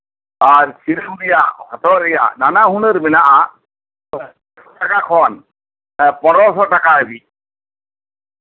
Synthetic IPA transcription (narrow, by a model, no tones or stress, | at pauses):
aɾsiɾəmɾijahɔt̪ɔɾɛja̰nanaɦunəɾmɛnaʔa | sɔʈakakʰɔn | pɔɾɔsɔʈakaebi